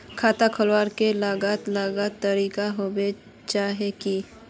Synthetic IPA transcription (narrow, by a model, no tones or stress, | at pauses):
kʰaːt̪akʰəlwaːɾkelaːɡat̪laːɡat̪əɾiːkaɦobe | t͡ʃaːɦeki